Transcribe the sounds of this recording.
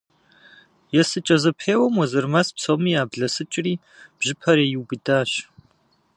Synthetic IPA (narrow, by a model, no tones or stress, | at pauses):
jɛsɨt͡ʃʼɐzɐpʰeːwɐmwɔzɨrmaspsɐwmiːjaːbɮɐsɨt͡ʃʼɪriː | b̥ʒɪpʰɐɾejɪwbɨdaːɕ